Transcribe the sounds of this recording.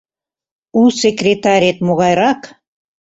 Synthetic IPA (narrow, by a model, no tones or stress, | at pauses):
usekrʲet̪ɑɾʲet̪moɣɑjɾɑk